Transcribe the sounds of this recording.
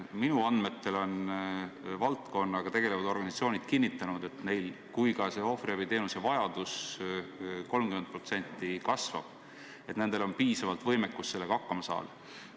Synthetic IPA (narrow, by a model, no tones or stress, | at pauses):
minuɑnd̪me̞t̪ːe̞lo̞n | vɑlt̪ko̞nːɑɡ̥ɑt̪e̞ɡ̥e̞levɑd̪̥o̞rɡɑnsɑt̪sio̞ːnʲid̪̥kinːit̪ːˑɑnud̪̥e̞t̪ne̞jl | kujkɑse̞o̞friɑvəjt̪e̞ːnuse̞vɑjɑd̪̥us | ko̞lmkymen̚pro̞t̪se̞nʲt̪ːˑikɑsvɑ̰b̥ | e̞t̪ne̞nd̪̥e̞lo̞npiːsɑvɑlt̪vɤjmekːˑust̪se̞lːeɡɑɑkːɑmɑsɑ̰ːl